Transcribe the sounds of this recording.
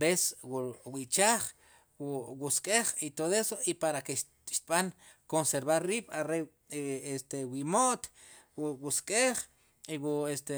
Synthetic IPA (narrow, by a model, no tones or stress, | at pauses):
beswuwit͡ʃaːχ | wwuskʼeχit̪oðoesoipaɾakeʃ | ʃt̪̚ɓaŋ | konseɾβaɾriːɓ̥aɾe | est̪ewimoʔt̪ | wwuskʼeχ | iwuest̪e